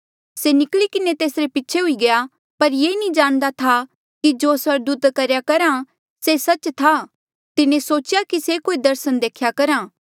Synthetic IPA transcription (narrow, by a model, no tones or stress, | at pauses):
senɪklikɪnet̪eːsɾepɪtːʃʰeɦʊiɡɐja | pɐɾjeːnĩd͡ʒaːɽ̃d̪at̪ʰa | kid͡ʒoːsʋɐɾd̪uːt̪kɐɾjakɐɾã | sesɐt͡ʃt̪ʰa | t̪ɪnẽsoːt͡ʃjakisekoːid̪ɐɾsənd̪eːkʰjakɐɾãː